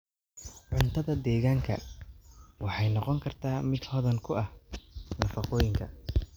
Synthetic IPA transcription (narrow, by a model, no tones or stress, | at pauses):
ʕʊnt̪ʰɐðɐd̪ɛːɣaːŋkʰɐ̰ | wɑħɑjnɑqɔŋkʰɐrt̪ʰaːmɪd̪hɔðɐŋkʰʊʔɐhnɐfɑqɔːjɪŋkʰɐ̰